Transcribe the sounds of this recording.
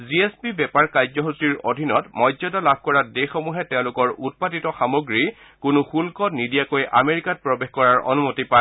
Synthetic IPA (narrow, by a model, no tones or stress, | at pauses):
ziespibɛpaɹkajzɔɦusiɹo̰dʱinɔtmɔzɔdɔlabʱkɔɹadexomuɦɛtɛʊ̃lʊkɔɹut̚patitɔxamoɡɹi | kʊnʊxulkɔtnidijakojʔa̰meɹikat̚pɹɔbexkɔɹaɹɔ̰numotipa